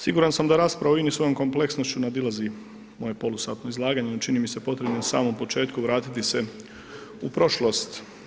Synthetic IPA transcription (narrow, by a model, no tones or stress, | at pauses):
siɡuːɾansamd̪aɾaːspɾaʋoinisʋo̞jo̞mko̞mple̞ksno̞st͡ɕunad̪ilˠazi | mo̞je̞po̞lusaːt̪no̞izlˠaːɡaɲenot͡ʃinimise̞po̞t̪ɾe̞bnonasa̰ːmo̞mpo̞t͡ʃe̞ːt̪kuʋɾaːt̪it̪ise̞ | upɾo̞ʃlˠost̪